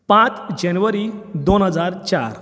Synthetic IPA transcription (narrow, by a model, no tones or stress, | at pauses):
pãt͡sd͡ʑənʋəɾid̪onɦəd͡zaɾt͡ɕa̰ɾ